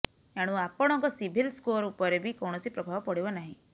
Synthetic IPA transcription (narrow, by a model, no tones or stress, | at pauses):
eaɽ̃ũapɔɽ̃ɔŋkɔsibʱilskoɾupɔɾebʱikɔw̃ɔsipɾɔbʱabɔpɔɽibɔnaɦĩ